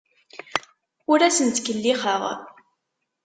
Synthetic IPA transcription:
ʊɾæsənt̪kəlːiχəʁ

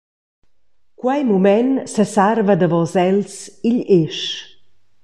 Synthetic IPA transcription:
kwajmumɛnsəsarvad̪əvɔzɛlsiʎeʃ

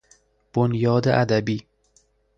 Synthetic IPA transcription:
b̥onjɒːd̪ḛʔæd̪æbiː

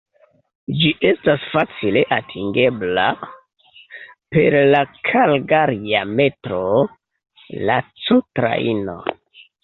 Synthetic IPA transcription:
d͡ʒiʔe̞stasfat͡sile̞ʔatʰiŋɡe̞bla | pe̞ɾlakʰalɡaɾiame̞tɾo | lat͡sutɾa̰ḭno̞̰

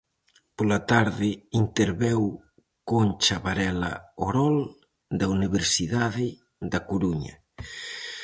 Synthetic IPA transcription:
polat̪aɾðɪint̪eɾβew | kont͡ʃaβaɾɛla̰oɾɔl | d̪auniβ̞eɾsiðaðɪ | d̪akoɾuɲɐ̰

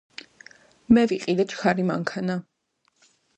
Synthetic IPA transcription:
mɛviqʼid̪ɛt͡ʃʰkʰaɾimaŋkʰana

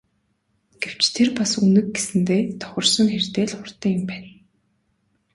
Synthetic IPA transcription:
ɡ̥ew̥t͡ɕt̪ʰerpasunɘ̆k̚ɡesɘ̆nt̪eːt̪ʰɔ̥χɞ̆rsɞ̆ŋxert̪eːɮχʊr̥t̪œːɪ̆mpæːn

